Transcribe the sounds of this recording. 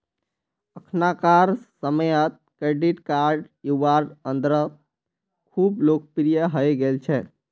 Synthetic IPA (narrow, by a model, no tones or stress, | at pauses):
əkʰnakaɾsəməjət̪̚ | kɾeɖiʈkaɾɖ | juʋaɾɖə̃nd̪ɾə | kʰublok̚pɾijəɦəjɡelt͡ʃʰɛ